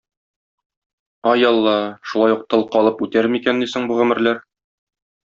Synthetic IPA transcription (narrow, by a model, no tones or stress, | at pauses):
ɒjɒlˠːɑʃulˠɑjuq̚t̪ɤ̆lˠqɒlˠɤpʉt̪æɾmikænːisɘŋbuʁɵ̆mɘ̆ɾlæɾ